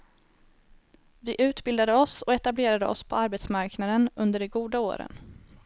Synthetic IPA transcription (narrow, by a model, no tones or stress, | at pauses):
vɪʔʉ̟ːt̪bɪld̪ad̪əɔsɔɛt̪ableːɾad̪əɔ̰spʰɔaɾbɛt̪smaɾknad̪ənɵnd̪əɖɛɡuːd̪ao̰ːɾə̰n